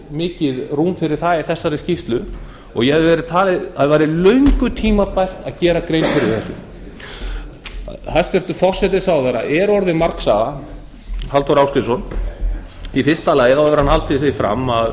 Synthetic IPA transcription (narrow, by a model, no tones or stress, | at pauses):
mɪːcɪðruːmfɪɾɪɾ̥θaiθɛsːaɾɛscift̪lʏ | ɔɣjɛhaðɪvɛɾɪt̪ʰaːlɪðaðvaːɾɪlœɥŋkʏt̪ʰiːmaɾpajr̥t̪aðcɛːɾakɾejnfɪɾɪɾ̥θɛsːʏ̰m | θast̪ɛɾ̥t̪ʏfɔr̥sɛt̪ɪsawðɛɾa̰ʔɛɾɔɾðɪmaɾksaɣa | halt̪ɔɾawst̪ɪsɔn | ifɪrst̪alaːjɪθawvɛɾhanhalt̪ɪθɪfɾa̰mːað